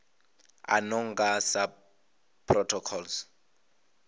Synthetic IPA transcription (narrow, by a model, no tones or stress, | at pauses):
a̰nɔŋ̩ɡasa | pʰːrɔtʰɔkʰɔls